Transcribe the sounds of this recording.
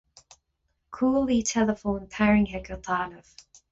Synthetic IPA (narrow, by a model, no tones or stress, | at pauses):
kʰuːlˠitʰɛləfõʊ̃npʰæɹɪ̃ŋɦɛkət̪ʰɑːnəv̥